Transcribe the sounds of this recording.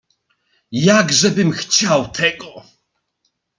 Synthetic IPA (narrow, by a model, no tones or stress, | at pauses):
jaɡʐɛbɘmxt͡ɕawt̪ʰɛɡɔ